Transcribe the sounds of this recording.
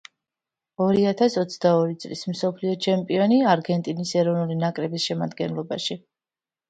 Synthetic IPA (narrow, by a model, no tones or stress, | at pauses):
ɔɾiat̪ʰasɔt̪sʰd̪aɔɾit̪sʼlism̩sɔpʰliɔt͡ʃʰɛmpʼiɔniaɾɡɛnt̪ʼinisɛɾɔvnulinakʼɾɛbisʃɛma̰d̪ɡɛnlˠɔba̰ʃi